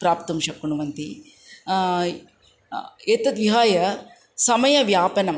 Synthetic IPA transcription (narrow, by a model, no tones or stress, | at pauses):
pɾaːpt̪ɐmʃɐkuɳuʋɐnt̪i | et̪ɐd̪ʋiɦaːjɐ | sɐmɐjɐʋjaːpɐnɐm